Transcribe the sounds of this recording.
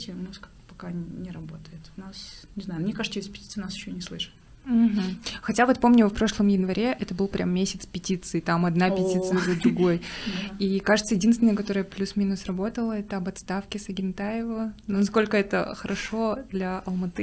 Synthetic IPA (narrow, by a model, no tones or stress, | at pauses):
tʲɪmuskḁ | pɐkanʲɪɾɐbo̞t̪əjɪt̪ʊnasnʲɪznajmnʲekaʐɨt̪əjʲsʲpʲtʲit̪sɨnasjɪɕːnʲɪslˠɨʂɨ̥t̪̩ | ɦm̩xɐtʲavo̞t̪̚po̞mnʲʊfpɾo̞ʂlˠəmjɪnvɐɾʲʔeʔɛt̪əbɨlˠpɾʲʔa̰mːʲesʲɪt̪spʲɪtʲit̪sɨɪt̪amɐd̪napʲɪtʲit̪sɨzəd̪ɾʊɡo̞j̪ikaʐɨt̪səjɪdʲinst̪ʲɪnəjəkɐt̪o̞ɾəjəplʲusmʲinʊsrɐbo̞t̪əlˠəɛt̪əɐbɐt̪st̪afkʲɪsɐɡʲɪnt̪aɪvənonɐsko̞lʲkəɛt̪ə̰xəɾɐʂo̞d̪lʲɐʔɐlˠmɐt̪ɨ